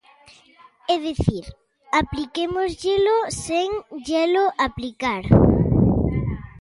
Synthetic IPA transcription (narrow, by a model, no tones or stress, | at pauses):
ɛðeθiɾ | aplikemozʎeloseŋʒeloʔaplikaɾ